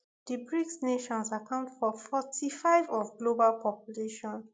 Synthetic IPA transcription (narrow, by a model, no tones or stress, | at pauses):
d̥ibɹiksneʃɔ̃nsakʰãʊ̃ntfɔfɔtʰifaɪvɔfɡlobalpʰɔpjuleʃɔ̃n